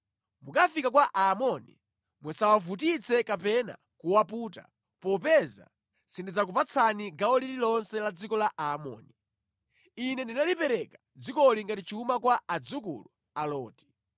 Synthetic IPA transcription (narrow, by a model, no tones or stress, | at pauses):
mukafikakwaʔaːmɔnḭ | mwɛsawavutit͡sʰɛkapɛna̰ | kuwapuːta̰ | pɔpɛza̰ | sindid͡zak̬upat͡sʰaniɡaɔlililɔnsɛlad͡zikɔlaʔamɔ̰ːni | inɛndinalipɛɾɛkḁ | d͡zikɔliŋɡatit͡ʃiuumakwaad͡zukṵlu | alɔːti̥